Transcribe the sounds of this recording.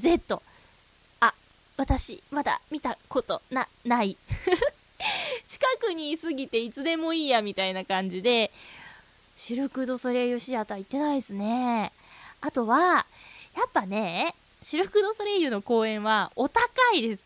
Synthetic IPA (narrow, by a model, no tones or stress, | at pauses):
ze̞t̪ːo̞ | a | βat̪aɕimad̪a̰mʲit̪ako̞t̪o̞na | nai | t͡ɕi̥kakɯ̟ɲ̟isɨɡʲit̪e̞it͡sɨd̪e̞mo̞iːjamʲit̪ainakãɲ̟d͡ʑid̪e̞ | ɕiɾɯ̟kɯ̟d̪o̞soɾe̞jɯ̟ɕiat̪oait̪ːe̞naid̪esɨne̞ | at̪o̞βa | japːane̞ | ɕiɾɯ̟kɯ̟d̪o̞soɾe̞jɯ̟no̞ko̞ːẽ̞ɰ̃βao̞t̪akaid̪e̞sɨ̥